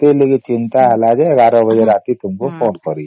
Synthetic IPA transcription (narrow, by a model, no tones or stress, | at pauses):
t̪elekit͡ʃɪ̃nt̪aɦɐlad͡ʒɛɐɡaːɾõbəd͡ʒeɾaːt̪it̪ʊmkopʰoːnkɔɾi